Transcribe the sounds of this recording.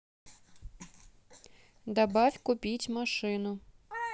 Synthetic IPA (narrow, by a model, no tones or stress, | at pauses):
d̪abafʲkʊpʲitʲmaʂɨnʊ